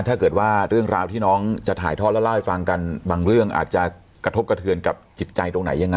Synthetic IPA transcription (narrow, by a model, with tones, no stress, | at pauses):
t̪ʰaː˥˩kɤː˨˩t̪̚waː˥˩ɾɯ˥˩əŋɾaː˧wt̪ʰiː˥˩nɔː˦˥ŋt͡ɕa˨˩t̪ʰa̰ː˩˦jt̪ʰɔː˥˩lːwla˥˩wha˧˩jfa˧ŋka˧nbaː˧ŋɾɯ˥˩əŋʔa̰ː˨˩t̪̚t͡ɕa˨˩ | kɾa˧o˦˥p̚ka˧t̪ʰɯ˧ənka˨˩p̚t͡ɕi˨˩t̪̚t͡ɕa˧jt̪o˧ŋna̰˩˦jːa˧ŋːa˧˦